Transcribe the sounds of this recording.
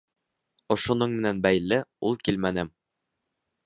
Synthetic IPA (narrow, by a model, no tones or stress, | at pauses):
ŏʃŭnɤɴmɘ̆nænbæjlːɘulˠkilmænɘm